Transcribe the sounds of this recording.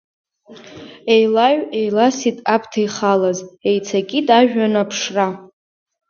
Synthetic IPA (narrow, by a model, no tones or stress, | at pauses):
e̞jlaɥe̞jlasitʼapʰtʰajχalaze̞jt͡sʰakʲʼitʼaʒᶣanapʰʂra